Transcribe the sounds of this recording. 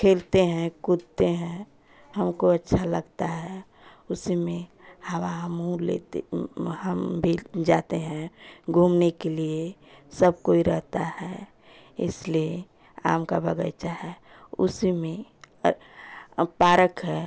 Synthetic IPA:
kʰeːlt̪eɦɛ̃kʊd̪t̪eɦɛ̃ | həmkoətːʃʰaləɡt̪aɦɛ | ʊsimẽ | hawaɦəmũlḛt̪ehəmbʱid͡ʒat̪eɦɛ̃ɡʱuːmnekeliesəb̚koːiɾəɦt̪ahɛ | ɪ̰slie | a̰ːmkabəɡə̰jt͡ʃaɦɛ | ʊ̰simẽ | paːɾəkɦɛ

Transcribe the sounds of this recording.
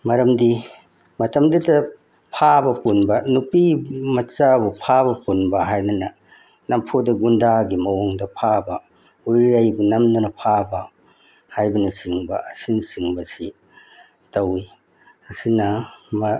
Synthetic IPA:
mɐɾɐmdi | mɐtɐmdudɐ | pʰabɐpunbɐnupimɐt͡ʃabupʰabɐpunbɐɦajnɐnɐ | nɐmpʰodɐɡundaɡimɐwoŋdɐpʰabɐ | uɾiɾajbunɐmdunɐpʰabɐ | hajbɐnɐsiŋbɐ̰ʔɐsinɐsiŋbɐsi | tɐwi | ɐsinɐmɐ

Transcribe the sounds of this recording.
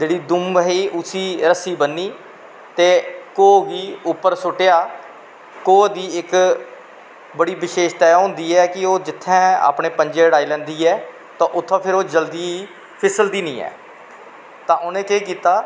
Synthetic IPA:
d͡ʒeːɽiːd̪ʊmʋəɦiːʔʊsiːɾəsiːbənːiː | t̪eːkoːɡiːʊpːəɾsʊʈejaː | koːd̪iːɪk | bəɽiːʋɪʃeːʃt̪ɛːɦõːnd̪iːɛːkɪoːd͡ʒɪt̪ʰːɛ̃ːa̰ːpɳẽːpəɲd͡ʒeːɽaːiːlɛ̃ːnd̪iːɛː | t̪ãːʔʊt̪ʰːãːpʰɪɾoːd͡ʒəld̪iː | pʰɪsəld̪iːnḭ̃ːɛ̰ː | t̪ãːʔʊnẽːkeːkiːt̪aː

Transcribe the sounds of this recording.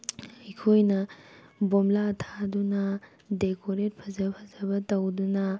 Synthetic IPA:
ɐjkʰojnɐbomlaɐtʰadunɐ | dekoɾet̚pʰɐzɐpʰɐzɐbɐtɐwdunɐ

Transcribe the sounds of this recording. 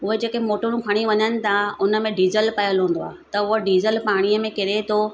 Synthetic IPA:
ʊɦed͡ʑeːkemoːʈoɽ̃ũkʰɐɽ̃iʋɐɲənɪ̆t̪ʰaʊnə̆mẽɖiːzəlpɐjəlɦũːn̆d̪oa̰ːɦet̪ɐʊɦoɖiːzəlpaːɽ̃ijəmẽkɪɾet̪ʰo

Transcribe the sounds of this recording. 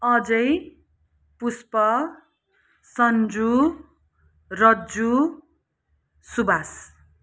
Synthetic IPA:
ʌd͡zʌj | puspʌ | sʌnd͡zu | rʌd͡zu | subas

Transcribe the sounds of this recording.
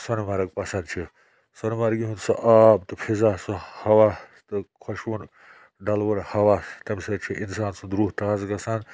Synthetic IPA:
sɐnmɐɾɐɡ̚pɐsɐnd̪̚t͡ʃʰi | sɐnmɐɾɡiɦunsɐʔaːb̚t̪ɨpʰizasɐhɐʋa | t̪ɨkʰoʃwun | ɖɐlʋɐnhɐwaːst̪ɐmsɐt͡ʃʰiʔinsaːnsud̪ɾuːɦt̪ɐazɡɐsɐn

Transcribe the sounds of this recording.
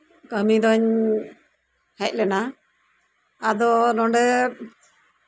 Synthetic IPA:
kəmid̪ɔɲ | hɛc̚lɛna | ad̪ɔnɔɳɖɛ

